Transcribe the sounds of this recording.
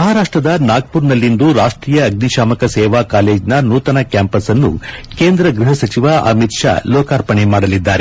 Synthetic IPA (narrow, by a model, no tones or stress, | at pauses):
mɐɦaːɾaːʂʈɾɐd̪ɐnaːɡ̚puːɾnɐlːind̪uɾaːʂʈɾiːjɐːɡ̚niʃaːmɐkɐsɛːʋaːkaːleːd͡ʒnɐnuːt̪ɐnɐkjaːmpɐsɐnːṵkeːnd̪ɾɐɡɾuɦɐsɐt͡ʃiʋaʔɐ̰mit̪ʂa̰ːlɔːkaːɾpɐɳemaːɽɐlid̪ːaːɾe